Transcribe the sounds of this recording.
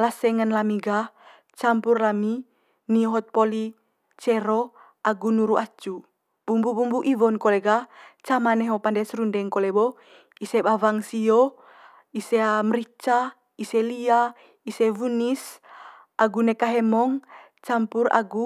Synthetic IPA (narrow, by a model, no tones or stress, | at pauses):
lasɛŋanlamiɡa | t͡ʃampurlami | niɔɦɔt̪̚pɔli | t͡ʃɛɾɔ | ʔaɡunuɾuat͡ʃu | bumbubumbuʔivɔnkɔleɡat͡ʃamanɛɦopandɛsɾundɛŋkɔlɛbɔ | isebavaŋsio | iseamɾit͡ʃa | iselia | isevunis | ʔaɡunɛkaɦɛmɔŋ | t͡ʃampura̰ɡu